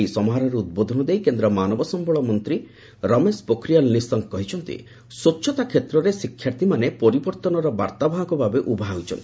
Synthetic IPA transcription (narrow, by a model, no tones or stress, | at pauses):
jsɔmɔɦaɾɔɾeud̪̚bod̪ʱɔnɔd̪ejkend̪ɾɔmanɔbɔsɔmbɔɭɔmɔnt̪ɾi | ɾɔmespokɾijalnisɔŋkkɔɦit͡ʃʰɔnt̪ḭ | sutːʃʰɔt̪akʰjet̪ɾɔɾesikʰːjaɾt̪imanepɔɾibɔɾt̪ɔnɔɾɔba̰ɾt̪abʱaɦɔɡɔbʱabeʔubʱaɦawt͡ʃʰɔnt̪i